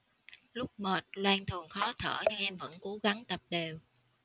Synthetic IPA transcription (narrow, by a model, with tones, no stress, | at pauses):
lʊ˦˥k͡p̚məː˨˩t̚lwaː˧nt̪ʰənxɔ˨˦t̪ʰə̰ː˧˩ɲɨ˧ŋʔɛ˧mvə̰˧˥nko˨˦ɣa˨˦ŋt̪ə˨˩p̚ɗe˨˩w